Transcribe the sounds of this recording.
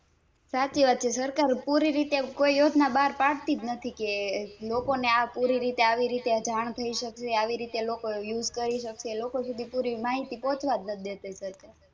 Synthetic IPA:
sat͡ʃiʋad̪̚t͡ʃʰesəɾkaɾpuɾiɾit̪ekoijod͡ʒnabaɾpaɽt̪id͡ʒ̪nət̪ʰikelokoneapuɾiɾit̪eaʋiɾit̪ed͡ʒʱaɳ̃t̪ʰəiʃəkʃeaʋiɾit̪elokojud͡ʒkəɾiʃəkʃeːlokosud̪ʱipuɾimaɦit̪ipɔ̃t͡ʃʋad̪nəd̪et̪esəɾkaɾ

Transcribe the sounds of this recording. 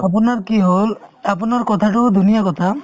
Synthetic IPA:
ap̬ʊnaɹkiɦolapʊnaɹkɔt̪ʰatʊd̪ʱunijakɔt̪ʰa

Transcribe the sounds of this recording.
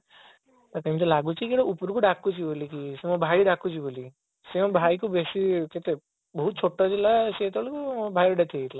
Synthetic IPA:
t̪akəmt̪̬ɔlaɡut͡ʃʰikiɽɔupɾkuɖakːut͡ʃʰibolikisemɔbʱaiɖakut͡ʃʰiboli | semɔbʱajkubesiket̪e | bɔɦut̪̚t͡ʃʰoʈːɔd͡ʒilaset̪ɔlikubʱajɾɔɖet̪ʰieiʈla

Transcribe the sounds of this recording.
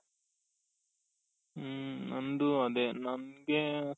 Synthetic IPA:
nɐnd̪uɐd̪enɐnɡe

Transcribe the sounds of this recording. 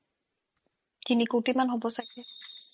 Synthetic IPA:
tinikotimanɦobɔsakɛ

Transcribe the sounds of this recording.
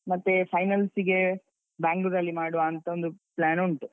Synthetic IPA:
mɐt̪ːe̞pʰɐjnɐlsiɡe̞ | baːŋɡlud̪ɐlːimaːɽuʋaːnt̪ɐo̞nd̪uplaːnuɳʈu

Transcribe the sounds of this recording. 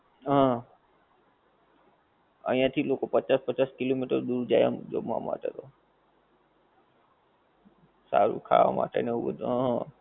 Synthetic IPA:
ɦã | ə̰ĩjãːt̪ʰiloːkopət͡ʃaːspət͡ʃaːskɪloːmiʈəɾd̪uːɾd͡ʒaːja̰md͡ʒo̰ːmã̰ma̰ːtḛt̪oː | sa̰ɾṵkʰa̰ːa̰ma̰ːt͡ʃə̰neuɡo̰t̪ãɦã

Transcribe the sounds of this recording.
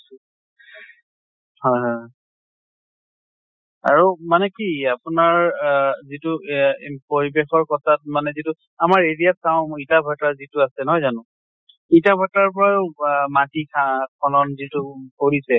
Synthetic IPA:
hɔjɦɔj | a̰ɹumanɛkiapʊnaɹzitupoɹibexɔɹkɔtʰat̚manɛzitʊ | amaɹeɹijatsaʊ̃itabʱatazitʊasɛnɔɦɔjzanʊ̃ | itabʱataɹp̬ɔɹajʊmatikʰakʰɔlɔnzitukoɹisɛ

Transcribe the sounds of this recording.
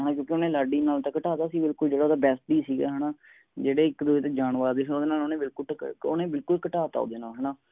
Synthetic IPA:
ɦɛːnaːkjõːkɪoːnẽːlaːɖiːnaːlt̪aːkəʈaːt̪aːsiːbɪlkʊld͡ʒeːɽaːd̪aːbɛːsʈ̚d̪iːsiːɡa̰ːɦɛːnaː | d͡ʒeːɽeːɪkd̪ueːt̪eːd͡ʒaːɳʋaːɾd̪eːsoːd̪eːnaːloːnẽːbɪlkʊonẽːbɪlkʊlkəʈaːt̪a̰o̰ːd̪eːnaːɦɛːɳaː

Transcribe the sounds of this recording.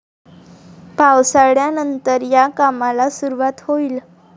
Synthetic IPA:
pawsaɽjanənt̪əɾjakamalasuɾuʋat̪hoiːl

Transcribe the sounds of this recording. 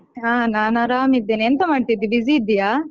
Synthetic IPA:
aːnaːnaɾaːmid̪ːeːnient̪ɐmaːɖt̪id̪ːibiziːd̪ːijaː

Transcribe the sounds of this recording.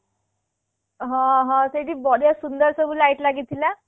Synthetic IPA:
ɦãɦãt̪eɽiːbɔɽijasund̪əɾsəbuːlaiʈlaɡit̪ila

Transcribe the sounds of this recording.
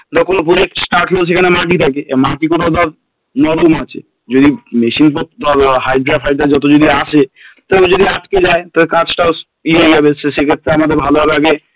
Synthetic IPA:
t̪ɔkonop̬uɾeksʈaɾʈlos̬ekʰanemaʈ̬it̪ʰakeemaʈikoʈad̪aɾ | nɔɾomat͡ɕʰḛ | d͡ʑod̪imeʃinp̬ɔd̪ɔɾhajɖɾafɦajɖad͡ʒɔt̪̬od͡ʑod̪iaʃʰet̪ɔed͡ʑod̪iaʈked͡ʑaet̪ɔbekãt͡ɕʈa | ieabesesekʰet̪ːɾeamad̪eɾbʱaloɦabeaɡe

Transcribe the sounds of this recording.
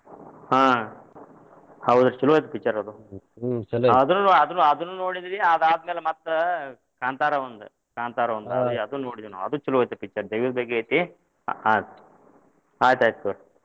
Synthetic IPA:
ɦãː | hɐwud̪ut͡ʃuluʋɐjt̪ɐpikt͡ʃːɐɾɐd̪u | ɐd̪unːunoɐd̪unːuɐd̪unːunoːɽid̪iɾiɐd̪aːd̪ɐmeːlemɐt̪ːɐ | kaːnt̪aːɾɐʋɐnd̪ṵ | kaːnt̪aːɾɐʋɐnd̪ɐd̪iɐd̪unoːɽid̪ɾunṵɐd̪ut͡ʃuluʋɐjt̪ɐpikt͡ʃːɐɾd̪ɐjʋid̪bɐɡeejt̪i | ad̪ | aːjt̪aːjt̪̚kɐɾ

